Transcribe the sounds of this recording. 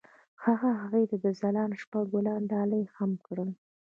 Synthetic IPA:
haɣaɦaɣəjt̪ad̪əzalɑnʃpaɡʊlɑnɖɑləjxamkɽəl

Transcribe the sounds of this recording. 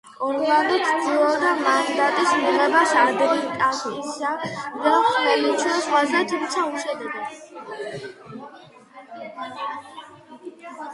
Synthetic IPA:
ɔɾɡland̪ɔt̪sd̪ilˠɔd̪amand̪d̪at̪ʼismiʁɛbasaɾd̪ɛd̪iɾt̪ʼasɔisad̪aχwɛlit͡ʃʰɛsχwazɛt̪ʰumt̪sʰauʃɛd̪ɛɡɛ

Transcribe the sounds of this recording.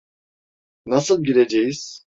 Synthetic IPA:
nasɯlˠɟiɾed͡ʒejiz̥

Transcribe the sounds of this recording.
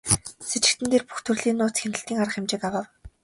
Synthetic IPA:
set͡ɕɪ̆k̚t̪ɘ̆nt̪eːrpu̥xt̪ʰɵrɮiːnːʊːt͡sxenɘ̆ɬt̪iːŋaɾə̆χɪmt͡ɕɪːkawaːw

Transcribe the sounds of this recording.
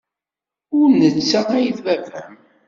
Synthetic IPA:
ʊɾnət͡sːææjiðvævæm

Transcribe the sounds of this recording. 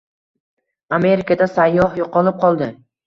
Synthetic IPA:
ame̞ɾɪkad̪asajːɒhjoqɒlˠɪp̚qʰɒlˠd̪ɪ

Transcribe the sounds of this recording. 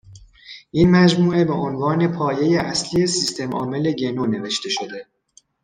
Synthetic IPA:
ʔinmæd͡ʒmuːe̞be̞ʔonvɒːne̞pʰɒːje̞jeʔæslije̞sist̪ʰe̞mʔɒ̰ːme̞le̞ɟe̞none̞ve̞ʃt̪e̞ʃo̞d̪e̞

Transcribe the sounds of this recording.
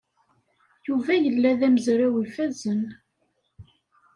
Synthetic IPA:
juvæjəlːæðæməzɾæwifæzən

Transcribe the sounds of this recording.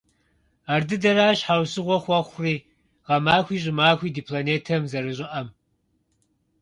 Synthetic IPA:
aːrdɨdɐɾaːɕħawsɨʁʷɔχʷɐχʷriː | ʁɐmaːxʷiːʑʼɪmaːxʷiːdipʰloneːtʰɐmzɐɾɨɕʼɪʔɐm

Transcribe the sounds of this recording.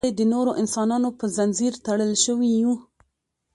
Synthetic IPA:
ed̪ənoɾoʔɪnsɑnɑnopəzanziɾt̪aɽəlʃəwiju

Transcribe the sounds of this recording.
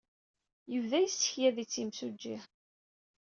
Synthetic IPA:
jəvðæjəsə̥çjæðit͡sːimsud͡ʒːih

